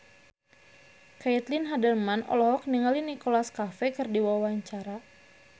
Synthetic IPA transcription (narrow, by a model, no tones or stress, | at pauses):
kaɛt̪linɦadɛlmanɔ̰lɔɦɔk̚niŋalinikolaskafɛkɨrdiwawaɲt͡ʃaɾa